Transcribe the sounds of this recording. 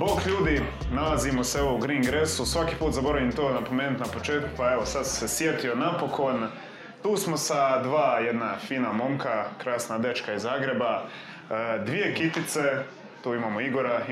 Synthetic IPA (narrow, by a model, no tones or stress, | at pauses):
bokʎuːd̪i | nalazimoseoʋouɡɾiːŋɡɾe̞susʋakiːpuːt̪zabo̞ɾaʋimt̪oːnapo̞meːnut̪napo̞t͡ʃe̞ːt̪̚kupae̞ʋosad̪ssesje̞t̪io̞napo̞kʰo̞n | t̪uːsmo̞sad̪ʋaːjed̪nafiːnamo̞mkakɾaːsnad̪e̞t͡ʃkaizaːɡɾe̞ba | d̪ʋije̞kit̪it̪se̞ | t̪uːimaːmo̞iɡo̞ɾa